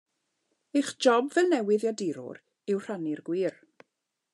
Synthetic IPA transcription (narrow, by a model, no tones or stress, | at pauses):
eχd͡ʒɔbvɛlˠnɛwɨðjadɪɾʊ̰ɾ | ɪwr̥anirɡwiːr